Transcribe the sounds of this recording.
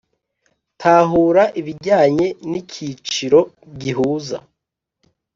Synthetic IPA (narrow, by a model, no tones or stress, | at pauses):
tʰaːɦuːɾaʔiβiɾɟaːɲe̞nicʰit͡ʃiɾo̞ | ɟiɦuːza̰